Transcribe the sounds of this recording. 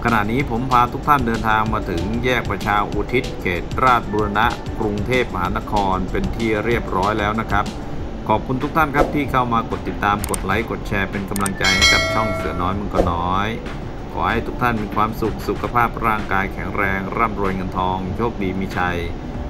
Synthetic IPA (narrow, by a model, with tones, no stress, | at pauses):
kʰa˧na̰˨˩t̪̚niː˦˥pʰo˩˦mpʰaː˧t̪ʰu˦˥k̚t̪ʰa˥˩ndɤː˧nt̪ʰaː˧ŋmaː˧t̪ʰɯ˩˦ŋjɛː˥˩k̚pɾa˧t͡ɕʰaː˧ʔuː˧t̪ʰi˦˥t̪̚kʰeː˨˩t̪̚ɾaː˥˩t̪̚buː˧ɾa˧na˦˥ʔ | kɾu˧ŋt̪ʰeː˥˩p̚ma˧ɦa̰ː˩˦˥na˦˥kʰɔː˧npe˧nt̪ʰiː˥˩ɾi˥˩əp̚ɾɔː˦˥jlɛː˦˥wna˦˥kʰa˦˥p̚ | kʰɔː˨˩p̚kʰu˧nt̪ʰu˦˥k̚t̪ʰa˥˩nkʰa˦˥p̚t̪ʰiː˥˩kʰa˥˩wmaː˧ko˨˩t̪ːi˨˩t̪ːaː˧mko˨˩t̪̚la˩˦jko˨˩t̪̚t͡ɕʰɛː˧pe˧nka˧mla˧ŋt͡ɕa˧jna˦˥˩kʰa˦˥˩p̚t͡ɕʰɔ˥˩ŋsɯ˩˦ənɔː˦˥jmɯ˧˥˨ŋkɔ˥˩nɔː˦˥j | kʰɔ̰ː˩˦ha˥˩jt̪ʰu˦˥k̚t̪ʰa˥˩nmiː˧kʰwaː˧msu˨˩k̚su˨˩kʰa˧pʰaː˥˩p̚ɾaː˥˩ŋkaː˧jkʰɛ˩˦ŋɾɛː˧ŋɾa˥˩mɾu˧əjŋɤ˧nt̪ʰɔː˧ŋjoː˥˩k̚diː˧miː˧t͡ɕʰa˧j